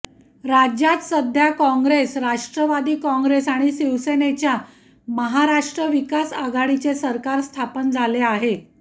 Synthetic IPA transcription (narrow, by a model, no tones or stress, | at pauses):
ɾad͡ʑjat̪səd̪ʱjakɔ̃ŋɡɾesɾaʂʈɾəʋad̪iːkɔ̃ŋɡɾesaɽ̃isiʋsenet͡ɕja | məɦaɾaʂʈɾəʋikasaɡaɽit͡sesəɾkaɾst̪ʰapənd͡zʱaleaɦe